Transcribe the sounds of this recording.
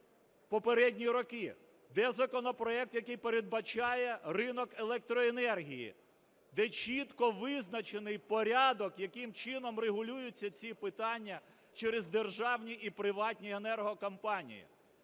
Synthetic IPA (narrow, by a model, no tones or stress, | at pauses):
pɔpeɾɛdʲnʲiɾɔkɪ | d̪ɛzɐkɔnɔpɾɔɛk̚t̪jɐkɪjpeɾed̪̚bɐt͡ʃɑjɛrɪnɔkelˠɛk̚t̪ɾɔenɛrɦʲijḭ | d̪ɛt͡ʃʲit̪kɔʋɪznɐt͡ʃenɪjpɔɾʲɑd̪ɔkjɐkɪmt͡ʃɪnɔmreɦʊlʲujʊt͡sʲːɐt͡sʲipɪt̪ɑnʲːɐ | t͡ʃɛɾezd̪erʒɑwnʲiʔipɾɪʋɑtʲnʲienɛrɦɔkɐmpɑnʲḭjḭ